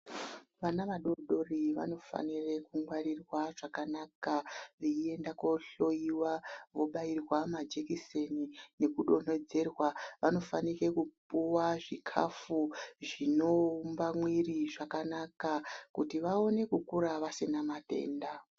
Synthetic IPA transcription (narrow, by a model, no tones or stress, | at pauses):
ʋanaʋaɗo̞ɗo̞riʋa̰no̞fa̰nire̞kuŋɡwaɾirwaʐakanakaʋiie̞ndako̞ɬo̞iwaʋo̞ɓairwamad͡ʒekisenine̞kuɗo̞n̥o̞d͡ze̞rwaʋano̞fanike̞kupuwaʐikʰa̰fuʐino̞umbamwiriʐakanakakutiʋao̞ne̞kukuɾaʋasenamate̞̰ːnda